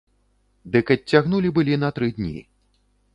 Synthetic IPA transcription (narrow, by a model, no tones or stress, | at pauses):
d̪ɨkɐtʲt͡sʲːaɣnulʲibɨlʲinɐt̪ɾɨd̪ʲnʲḭ